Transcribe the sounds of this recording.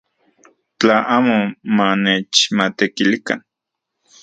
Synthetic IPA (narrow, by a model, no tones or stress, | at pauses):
t͡ɬaʔaːmomanet͡ʃmat̪ekilika̰n